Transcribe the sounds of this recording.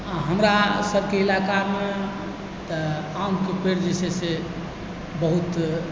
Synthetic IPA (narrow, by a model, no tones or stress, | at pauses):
ɦəmɾasəbʱkeilakame | t̪əaumkepeɾd͡ʒesese | bəɦut̪